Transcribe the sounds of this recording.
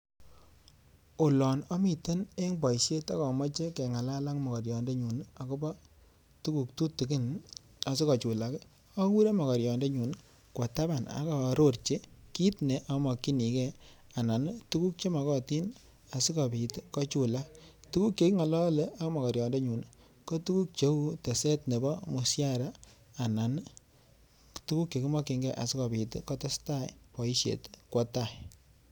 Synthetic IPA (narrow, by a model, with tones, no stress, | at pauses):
o˨lɔ˨nɔ˦mi˨te˦ne˦ŋbɔ˨i˨ʃe˦ta˦kɔ˨mɔ˦t͡ʃe˦ke˨ŋa˨la˦la˦kmɔ˨kɔ˨ɾjɔ˨nde˦ɲu˨n˦a˨ko˦ba˦ | tu˦ku˨ktu˦ti˨ki˦n | a˨s̬i˦kɔ˨t͡ʃu˨la˨ke˦ | ɔ˦ku˦ɾe˦mɔ˨kɔ˨ɾjɔ˨nde˦ɲu˨n | kwɔ˨ta˦ba˨na̰˨˦kɔ˨ɾo˦˨rt͡ʃe˦ki˦tne˨˦ʔa˨˦mɔ˨kːi˦ni˨kɛ˦ | a˨na˨n˦tu˦ku˦k̚t͡ʃe˦ma˨kɔ˦ti˦n | a˨si˦kɔ˨bi˨tkɔ˦t͡ʃu˦la˦tu˦ku˦kje˨ki˦ŋa˨lɔ˦le˦ʔa˨˦kɔ˦mɔ˨kɔ˨ɾjɔ˨nde˦ɲu˨n | ko˦tu˦ku˦k̚t͡ʃe˦u˦te˨se˦tne˨bɔ˦mu˨sja˦ɾaː˦˨ | na˨n | tu˦ku˦kje˨ki˦mɔ˦kɪ˧ŋɡɛ˦ʔa̰˨si˦kɔ˨bi˨tkɔ˦tɛ˦sta˦jpɔ˨i˦ʃjḛ˨tkwɔ˦ta˦˨j